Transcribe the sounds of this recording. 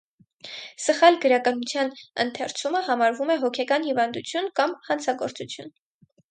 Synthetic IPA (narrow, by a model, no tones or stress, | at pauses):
səχɑlɡəɾɑkɑnut͡sʰjɑnə̰nt̪ʰɛɾt͡sʰuməhɑmɑɾvumɛɦɔkʰɛkɑnhivɑnd̪ut͡sʰjunkɑmhɑnt͡sʰɑɡɔɾt͡sut͡sʰjun